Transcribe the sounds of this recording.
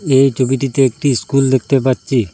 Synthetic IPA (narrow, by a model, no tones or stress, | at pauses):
ejt͡ʃʰobiʈit̪eek̚ʈiskuld̪ek̚ʰt̪epaɾɕʰi